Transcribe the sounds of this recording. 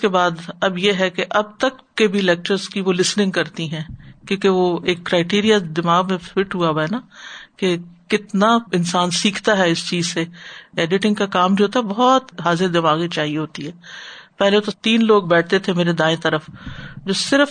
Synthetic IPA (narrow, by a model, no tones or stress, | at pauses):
kebaːd̪ɐbjeɦɛkeʔɐb̚t̪ɐkːebʱilɛːk̚t͡ʃəɾzkiʋolɪsnɪ̃ŋɡkɐɾt̪iɦɛ̃ːkjõːkeʋoeːkːɾaːɪʈiːɾijad̪ɪmaːɣmẽfɪʈɦuaʋaɛnakekɪt̪naɪnsaːnsiːkʰt̪aɦɛɪst͡ʃiːzseɛːɖɪʈɪ̃ŋɡkakaːmd͡ʒoɦoːt̪aɦɛbɔɦɔt̪ɦaːzɪɾd̪ɪmaːɣit͡ʃaːɦieɦoːt̪iɦɛːpɛɦlet̪ot̪iːnloːɡ̚bɛːʈʰt̪et̪ʰemeːɾed̪ãːẽt̪ɐɾəfd͡ʒoːsɪɾəf